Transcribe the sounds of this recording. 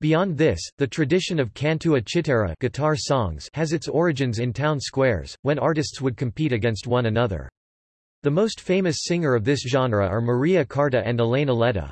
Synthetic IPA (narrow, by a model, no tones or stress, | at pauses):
b̥iɑ̃nðɪsðɨtʰɹ̥ɨdɪʃɨ̃nʌv̥kʰæ̃ntʰʉɨt͡ʃʰɨɾɛɹɨ̰ɡ̥ɨtʰɑɹsɔ̃ŋz̥ɨzɨtsɔɹɨd͡ʒɨ̃nzɨ̃ntʰãʊ̃nskwɛɹz̥wɨ̃nɑɹɾɨstswəd̚kʰɨ̃m̩pʰiɾɨɡɛ̃nst̚wʌ̃nɨnʌðə̰˞ | ðɨmoʊstfẽɪ̃mɨsɪ̃ŋə˞ʌvðɪsʒ̥ɑ̃nɹəə˞mə˞iɨkʰɑɹɾɨʔɨ̃nəlẽɪ̃nəlɛɾə̰